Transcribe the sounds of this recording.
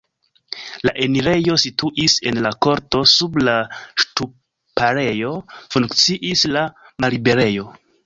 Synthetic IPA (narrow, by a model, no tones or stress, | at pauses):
laʔe̞niɾe̞jo̞situʔise̞nlako̞ɾto̞sublaʃtu | paɾe̞jo̞fuŋkt͡siʔisla | malibe̞ɾe̞jo̞